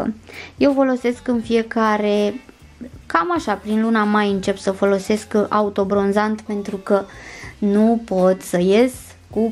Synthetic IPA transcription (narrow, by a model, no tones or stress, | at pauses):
je̞wfo̞lo̞se̞skɨnfie̞kaɾe̞ | kamaʃapɾinlunamajɨnt͡ʃe̞psəfo̞lo̞se̞skʔaut̪o̞bɾo̞nzant̪pe̞nt̪ɾukənupo̞t̪səje̞s | ku